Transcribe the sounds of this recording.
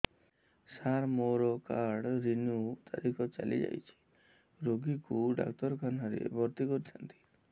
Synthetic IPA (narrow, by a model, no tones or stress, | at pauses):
saɾmoɾɔkaɾɖɾinut̪ʰa̰ɾikʰɔt͡ʃa̰lḭd͡ʒa̰jt͡ʃʰi̥ | ɾoɡikuɖa̰kʈɔɾkanɔɾḛbʱɔɾt̪ikɔɾit͡ʃ̪ʰant̪ʰi̥